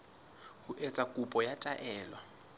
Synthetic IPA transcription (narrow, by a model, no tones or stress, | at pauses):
huʔet͡sʼakʼupʼɔjatʼaʔɛːlwa